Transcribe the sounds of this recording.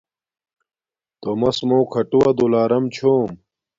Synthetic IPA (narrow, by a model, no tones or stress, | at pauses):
t̪omɐsmowkʰɐʈuwɐd̪ulaːɾɐmt͡ɕʰoːm